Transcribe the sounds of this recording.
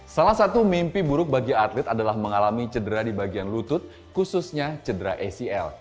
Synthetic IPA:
salahsat̪umimpibuɾʊk̚baɡiat̪lɪt̪adalahməŋalamit͡ʃədəɾadibaɡianlut̪ʊt̪̚ | kususɲat͡ʃədəɾaʔɛsiɛ̰l

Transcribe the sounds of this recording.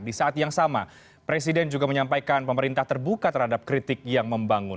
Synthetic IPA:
disaʔat̪jaŋsama | pɾes̬idɛnd͡ʒuɡaməɲampajkanpəməɾint̪aht̪ərbukat̪ərhadap̚kɾit̪ɪk̚jaŋməmbaŋʊn

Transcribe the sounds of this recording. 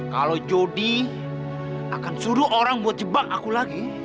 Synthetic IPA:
kalod͡ʒodi | akansuɾuʔoɾaŋbuat̪̚d͡ʒəbaŋakulaɡi

